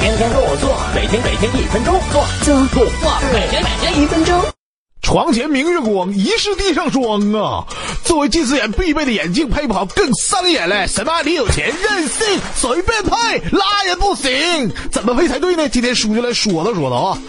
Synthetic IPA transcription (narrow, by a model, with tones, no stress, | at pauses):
ɛ˧˥nt̪ʰjɛ˥nkə˥˧˩wɔ˨˩t͡swɔ˥˩me˨˩ɪt̪ʰjɛ˥nme˨˩ɪt̪ʰjɛ˥ni˥˩fə˥nʈ͡ʂo˥ʊt͡swɔ˥˩ʈ͡ʂu˥t̪ʰu˥˩wa˥˩˥me˨˩ɪt̪ʰjɛ˥nma˨˩ɪt̪ʰjɛ˥ni˥˩fə˥nʈ͡ʂo˥ŋ | ʈ͡ʂʰwɑ˧˥ŋt͡ɕʰjɛ˧˥nmi˧˥ŋɥy˥˩kwɑ˧˥˩ŋi˧˥ʂɻ̩˥˧t̪i˥˧ʂɑ˥˩ŋʂwɑ˥ŋə̰˧t͡swɔ˥˩we˧˥ɪt͡ɕi˥˧sɹ̩˥˩jɛ˧˥npi˥˧p̬e˥˩ɪd̪ə˩jɛ˨˩nt͡ɕi˥˧ŋpʰe˥˧ɪpu˥˩ɑ˧˥ʊkɤ˥˩ŋsa˥njɛ˨˩nla˧˩ɪʂə˧˥nma˧˥li˧˥jo˨˩ʊt͡ɕʰjɛ˧˥nɻə˥˧˩nɕi˥˩ŋswɔ˧˥i˥pjɛ˥˧npʰe˥˩ɪla˥jɛ˨˩pu˥˩ɕi˧˥ŋt͡sə˨˩nmə˧e˥ɪt͡sʰa˧˥ɪt̪we˥˧ɪne˥˩t͡ɕi˥nt̪ʰjɛ˥nʂu˨˩t͡ɕy˥˩la˧˥ɪʂwɔ˨˩d̪ə˦ʂwɔ̰˨˩d̪ɔ˧˥˩